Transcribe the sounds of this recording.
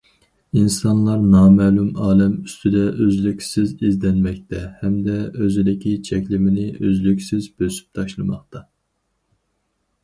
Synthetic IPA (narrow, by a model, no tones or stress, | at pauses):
insɑnlˠɑɾnɑːmɛːlumɑːlɛmyst̪ʰyd̪ɛʔøzlykʲsɪzizd̪ɛnmɛk̚ʲt̪ʰɛhɛmd̪ɛøzɪd̪ɪkʲʰit͡ʃʰɛkʲlɪmɪnɪʔøzlykʲsɪzbøsy̥p̚t̪ʰɑʃlˠɨmɑχt̪ʰɑ